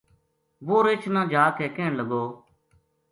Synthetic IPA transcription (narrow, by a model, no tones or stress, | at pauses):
ʋoːɾeːt͡ʃʰnãːd͡ʒaːkɛːkẽːɳləɡoː